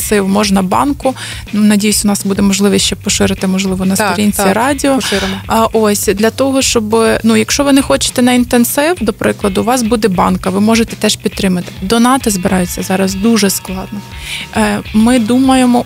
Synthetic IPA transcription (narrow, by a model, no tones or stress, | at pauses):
sɪwmɔʒnɐbɑ̰nkʊ | nɐdʲijʊsʲʊnɑsbud̪ɛmɔʒlˠɪʋɛst͡ʃɛpɔʃɪɾɪt̪ɪmɔʒlˠɪʋɔnɐst̪ɾʲinʲt͡sʲiɾɑdʲiɔʃɪɾnʔosʲd̪lʲɐt̪ɔɦɔʃt͡ʃɔbɪnujɐkʃt͡ʃɔʋɪnɛxɔt͡ʃɪ̥t̪ɛnɐint̪ensɪwd̪ɔpɾʔɪklˠɐd̪ʊʋɑsbud̪ɛbɑnkɐʋɪmɔʒet̪ɛt̪ɛʃpʲid̪t̪ːɾɪmɐt̪ɪ̥d̪ɔnɑt̪ɐzbɪɾɑjʊt͡sʲːɐzɑɾɐzd̪uʒɛsklˠɑd̪̚nɔ | mɪd̪umɐjemɔ